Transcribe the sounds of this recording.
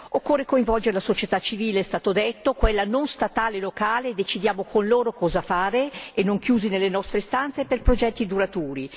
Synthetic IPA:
okːorːekoiɱvɔld͡ʒeɾelasot͡ʃet̪at͡ʃːiviːleɛst̪aːt̪od̪et̪ːokwelːanonst̪at̪aːlelokaːled̪et͡ʃid̪jaːmokʰonloːɾokɔːzafaːɾeːnːoŋkjuːzinelːenɔst̪ɾest̪ant̪seperpɾod͡ʒɛt̪ːid̪uɾat̪uːɾi

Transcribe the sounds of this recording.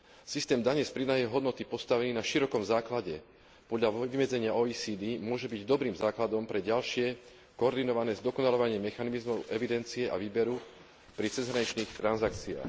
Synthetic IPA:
sist̪ɛːmd̪aɲɛspɾinaːjɛɦɔd̪nɔt̪ipɔst̪aʋɛniːnaʃiɾɔkɔmzaːklaɟɛ | pɔd̪ʎaʋimɛd͡zɛɲɪaʔɔːisid̪imʊɔʒɛbiɟd̪ɔbɾiːmzaːklad̪ɔmpɾɛɟalʃɪɛ | kɔɔɾd̪inɔʋanɛːzd̪ɔkɔnalɔʋaɲɪɛmːɛxanizmɔʊʔɛʋid̪ɛnt͡siɛʔa̰ʋiːbɛɾu | pɾit͡sɛzɦɾaɲit͡ʃniːxt̪ɾanzak̚t͡sia̰ːx

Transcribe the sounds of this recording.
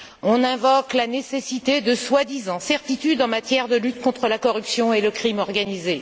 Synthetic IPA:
ɔ̃nɛ̃vɔklanesesit̪ed̪əswad̪izɑ̃sɛʁt̪it̪yd̪ɑ̃mat̪jɛʁd̪əlyt̪̚kɔ̃t̪χəlakɔʁypsjɔ̃eləkχimɔʁɡanize

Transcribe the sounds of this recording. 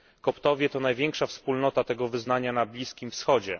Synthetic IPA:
kɔpt̪ɔvʲjɛt̪ɔnajvʲjɛŋkʂafspulnɔt̪at̪ɛɡɔvɘznaɲanablʲiskʲimfsxɔd͡ʑɛ

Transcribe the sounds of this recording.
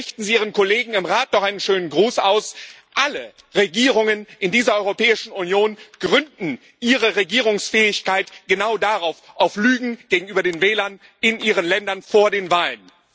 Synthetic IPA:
ɪçtn̩ziːiːʁənkoleːɡŋ̩ɪmʁaːt̚d̥ɔχʔaɪnənʃøːnənɡʁuːsa̰ʊs | ʔalə | ʁeɡiːʁʊŋənʔɪndiːzɐʔɔʏʁopɛːɪʃn̩unjoːnɡ̥ʁʏndn̩ | ʔiːʁəʁeɡiːʁʊŋsfɛːɪçkaɪtɡ̥ənaʊdaʁaʊfʔaʊflyːɡŋ̩ɡ̥eːɡŋ̩yːbɐdeːnvɛːlɐn | ɪnʔiːʁ̞ənlɛndɐnfoːɐdeːnvaːlən

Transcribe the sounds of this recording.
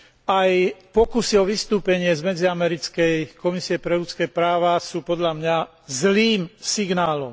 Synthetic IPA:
ajpɔkusiɔʋist̪uːpɛɲɪɛzmɛd͡ziamɛɾit͡skɛjkɔmisiɛpɾɛʎut͡skɛːpɾaːʋasuːpɔd̪ʎamɲa | zliːmsiɡnaːlɔm

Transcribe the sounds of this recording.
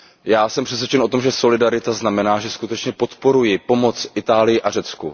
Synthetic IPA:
jaːsɛmpr̥ɛs̬vʲjɛt͡ʃɛno̞t̪o̞mʒɛso̞lɪdaɾɪt̪aznamɛnaːʒɛskut̪ɛt͡ʃɲɛpo̞t̪po̞ɾujɪpo̞mo̞t͡sʔɪt̪aːlɪjɪʔarɛt͡skṵ

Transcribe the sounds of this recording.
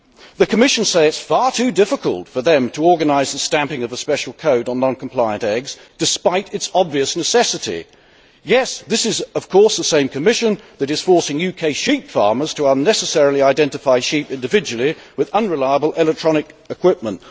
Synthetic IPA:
ðɨkʰəmɪʃɨ̃n̩seɪɨtsfɑɹtʰʉdɪfəkə̰lˠtfə˞ðɨ̃mtʰəɔɹɡɨnaɪzðəstæ̃mpɪ̃ŋʌvəspɛʃl̩ˠkʰoʊɾn̩nɑ̃nkʰm̩pʰl̥aɪɨ̃ntɛɡz̥ | d̥ɨspaɪɾɨtsɑbviɨsnɨsɛsɨɾḭ | jɛsðɪsɨzʌv̥kʰɔɹsðəsẽɪ̃mkʰɨmɪʃɨ̃nðɨɾɨz̥fɔɹsɪ̃ŋjʉkʰeɪʃipfɑ̰ɹmə˞z̥tʰəʌ̃nːɛsəsɛɹlˠiaɪdɛ̃ntɨfaɪʃipɪ̃ndɨvɪd͡ʒɨwl̩ˠiwɨðʌ̃nɹɨlaɪəbl̩ˠʔɛlɛk̚tʰɹ̥ɑnɨkɨkʰw̥ɪp̚mə̃nt

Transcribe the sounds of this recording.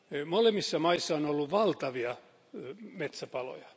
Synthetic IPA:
molemisːɑmɑisːɑonolːuʋɑlt̪ɑʋiɑ | met̪sæpɑlo̰jɑ

